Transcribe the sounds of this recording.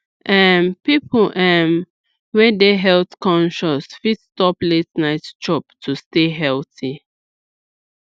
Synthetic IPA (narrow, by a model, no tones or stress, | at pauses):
ʔɛnpipʰlʔɛn | wɛdeɦɛltkʰɔ̃nʃɔsfitstɔpletnaɪtt͡ʃɔptʰusteɦɛlti